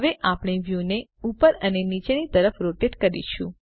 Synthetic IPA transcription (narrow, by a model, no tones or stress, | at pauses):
ʋeʔapɽ̃eʋjuneupəɾənenit͡ʃeɽit̪əɾəfɾoʈeʈkəɾḭt͡ʃʰṵ̃